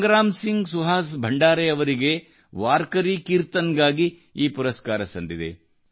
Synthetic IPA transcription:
ɡɾaːmsiŋɡsuɦaːs̬bʱɐɳɖaːɾeɐʋɐɾiɡe̞ | ʋaːɾkɐɾikiɾt̪ɐnɡaːɡi | iːpuɾɐskaːɾɐsɐnd̪id̪ḛ

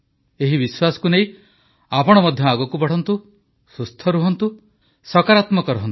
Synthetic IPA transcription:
eɦibiswasɔ̥kuneĩ | apɔɽ̃ɔmɔd̪ʱjɔaɡɔkubɔɽ̤ʰɔnt̪u | sust̪ʰɔɾuɦɔnt̪u | sɔkaɾat̪mɔkɔɾɔɦɔnt̪

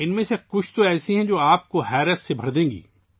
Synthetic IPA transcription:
ɪnmẽsekʊt͡ʃʰt̪oɛːsiɦɛ̃d͡ʒoːaːp̚koɦɛːɾəssebʱɐɾd̪ẽːɡḭː

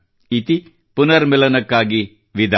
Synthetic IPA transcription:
it̪i | punɐɾmɛlɐnɐkːaːɡi | ʋid̪ʱ

